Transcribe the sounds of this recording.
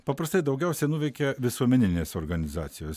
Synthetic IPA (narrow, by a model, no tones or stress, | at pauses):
pɐpɾɐst̪ɐɪd̪ɐʊɡʲɛʊsʲɛɪnuːʋʲɛɪkʲɛʋʲɪsuɔmʲɛnʲɪnʲeːsoːɾɡɐnʲɪzɑːt̪sʲɪjoːs